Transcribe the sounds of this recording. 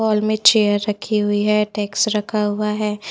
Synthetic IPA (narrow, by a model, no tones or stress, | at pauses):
ɔːlmẽt͡ʃeːjəɾːɐkʰiɦʊiɦɛʈɛːksɾɐkʰaɦʊaɦɛː